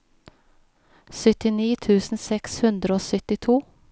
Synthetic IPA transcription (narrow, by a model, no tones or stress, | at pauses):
sʏt̪ɪniːt̪ʰʉːsn̩sɛkshʉnd̪ɾəoːsʏt̪ɪt̪ʰuː